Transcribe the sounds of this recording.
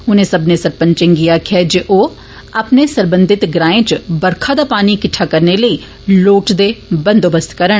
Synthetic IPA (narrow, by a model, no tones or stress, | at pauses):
ʊnẽsɐbnesəɾpə̃nt͡ʃẽŋɡijakʰɛd͡ʒeʔoː | ɐpnesəɾbə̃nd̪ɪt̪ɡɾãːẽt͡ʃbəɾkʰad̪aːpaːnikɪʈʰːakɐɾneləi | loːʈd̪ebə̃nd̪oːbəst̪kəɾəɽ